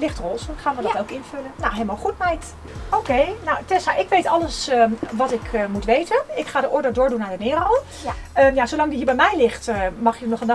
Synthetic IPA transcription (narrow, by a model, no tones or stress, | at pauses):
lɪxtrolˠsəχaːnʋədɔtowkɪnfølənnawɦeləmalˠχutmɛjt | okejnawtɛsaʔɪkʋejtɑlˠəsʋɔtɪkʰmutʋejtənɪkχaːdəʔʊɹdədʊːɹdunaːdənɪːrəlˠ | ənjasowlɑŋdiɦiːɹbɛjmɛjlɪxtmɑχjənɔχənd